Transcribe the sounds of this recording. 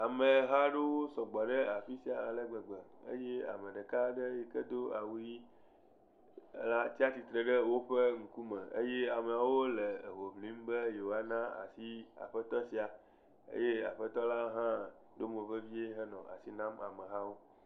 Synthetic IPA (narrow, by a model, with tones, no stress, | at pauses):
a˨me˨ɦa˦ɖe˦wo˦sɔ˨ɡ͡bɔ˨ɖe˦a˨ɸi˦si˨˦a˨lə˦ɡ͡bə˨ɡ͡bɛ˨ḛ˦je˦a̰˨me˨ɖe˨ka˦ɖe˦je˨kə˦d̪o˦a˨wu˦ji˦ | la˦t̪i˦a˦t̪i˨t̪ɾe˨ɖə˦wo˦ɸe˦ŋ̩˦ku˦mẽ˨ḛ˦je˦a˨me˨a˨wo˦le˨ɦo˨mlĩ˦m˦be˦je˨wo˨a˨nã˦a̰˨si˦a̰˨ɸe˦t̪ɔ˦si˦a˨ | ḛ˦je˦a̰˨ɸə˦t̪ɔ˦la˦ɦã˦ | ɖo˦mo˨ve˦vi˦e˦ɦɛ˦nɔ̃˨ʔa̰˨si˦nã˦ma̰˨me˨ɦa˦wo˦